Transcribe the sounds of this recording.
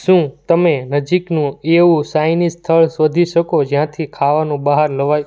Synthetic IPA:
ʃũt̪əmenəd͡ʒiknũeũsajnist̪ʰəɭsʋəd̪ʱiʃəkod͡ʒjãt̪ʰikʰaʋanũbaɦəɾləʋaj

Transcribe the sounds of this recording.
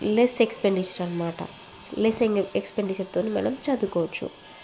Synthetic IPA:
lesekspeɳɖit͡ʃɐɾɐnmaːʈɐ̰ | leseŋɡɐekspeɳɖit͡ʃɐɾt̪oːnimɐ̰nɐmt͡ʃɐd̪ukɔːʋɐt͡ʃːṵ

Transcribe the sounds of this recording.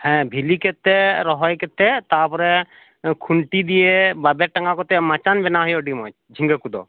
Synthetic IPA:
hɛ̃bʱiliket̪ɛɾɔɦɔjkɛt̪ɛt̪apɾɛ | kʰuɳʈid̪ijebabɛʈɐŋɡakɔt̪ɛmat͡ʃanbɛnaɦɔjɔɖimɔ̰t͡ʃd͡ʒʱĩŋɡəkud̪ɔ̰

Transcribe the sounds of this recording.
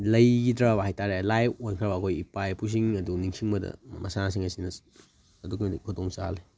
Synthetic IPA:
lɐjdɾabɐɦajtʰaɾelajonkʰɾɐbɐːkʰojipajpʰus̬iŋɐduniŋsʰiŋmɐdɐ̰mɐsasiŋɐsinɐ | ɐdukmdikʰudoŋsa̰le

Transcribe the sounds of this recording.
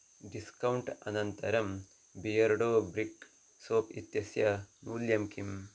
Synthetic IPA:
ɖiskɐwɳʈɐ̰nɐnt̪ɐɾɐm | bijɐɾɖoːbɾik | soːpḭt̪jɐsjɐnuːljɐmkim

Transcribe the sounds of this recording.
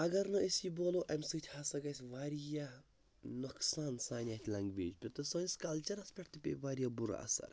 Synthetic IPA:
ɐɡɐɾnɐisiboːloʔɐmʲsɨt̪ʰʲhaːsɐɡɐjsʲʋaːɾja | nuksaːnsaːnʲaːt̪ʰʲlɐŋɡʋḛːd͡ʒpʲet̪osɐːnʲskɐlt͡ʃɐɾɐspʲeʈt̪ɨpʲḛʋaːɾijabuɾa̰ɐ̰sɐ̰ɾ

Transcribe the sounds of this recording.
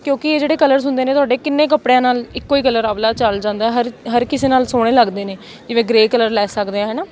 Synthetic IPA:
kjõːkɪeːd͡ʒeːɽeːkələɾsʊnd̪eːnẽːt̪ʊaːɖeːkɪnːẽːkəpɽejãːnaːlɪkːoːiːkələɾablaːt͡ʃəld͡ʒãːnd̪aːɦɛːɦəɾɦəɾkɪseːnaːlsoːɽ̃eːləɡd̪eːneː | d͡ʒɪʋẽːɡɾeːkələɾlɛːsəkd̪eːãːɦɛːnaː

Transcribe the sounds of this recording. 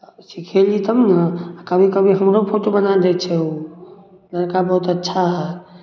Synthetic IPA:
sikʰelit̪əmnəakəbʱikəbʱiɦəmɾopʰoʈobənad̪ɛt̪t͡ʃʰɛo | ləɾkabəɦut̪ətːʃʰaɦɛ

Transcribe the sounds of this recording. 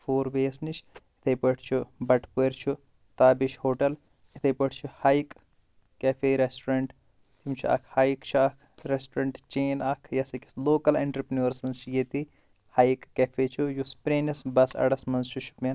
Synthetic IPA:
fʰoːɾʋeːsnit͡ʃʰit̪ʰɐjpɐʈʰt͡ʃʰubɐʈʰpueɾt͡ʃʰu | t̪aːbiʃhoːʈɐl | it̪ʰɐjpɐʈʰt͡ʃʰuhaːjkː | efʰeːɾesʈɾɐɳʈ | t̪ʰimt͡ʃʰuʔɐ̰kʰhaːjkt͡ʃʰuɐkʰɾesʈɾɐɳʈt͡ʃeːnɐkʰjɐsɐkʲi̥sloːkɐlɐɳʈɾɐpnuɐɾsɐnst͡ʃʰjet̪i | haːjikːɐfʰeːt͡ʃʰujuspɾeːnɐsbɐsɐ̰ɽɐsmɐnzt͡ʃʰut͡ʃʰu̥pen

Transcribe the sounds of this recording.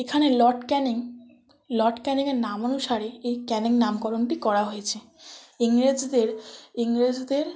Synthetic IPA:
ekʰanelɔɾʈkɛniŋ | lɔʈkɛniŋeɾnamonuʃaɾeejkɛniŋnamkɔɾonʈikɔɾaɦojet͡ɕʰe | iŋɾed͡ʑd̪eɾiŋɾed͡ʑd̪eɾ

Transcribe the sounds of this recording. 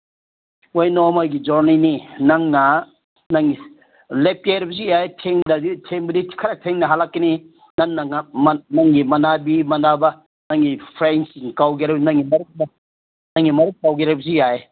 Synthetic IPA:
ojnomojɡid͡ʒoɾnininɐŋnɐ | naŋɡi | lep̚ajɾɐbɐzijajetʰeŋdɐditʰeŋbɐdikʰɐɾatʰeŋnɐɦalakkɐni | naŋnɐŋmnɐŋɡimɐnabimɐnabɐ | naŋɡipʰɾensiŋkawɡieɾɐbnɐŋːimɐɾuk̚ma | nɐŋːimɐɾuk̚pawɡiɾabɐzijaje

